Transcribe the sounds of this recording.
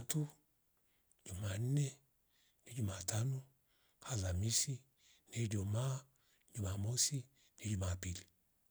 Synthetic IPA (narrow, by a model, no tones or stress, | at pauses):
atu | d͡ʒuman̩nɛ | ned͡ʒumatʰanɔ | halamisi | ned͡ʒoma | d͡ʒumamosi | ned͡ʒumapili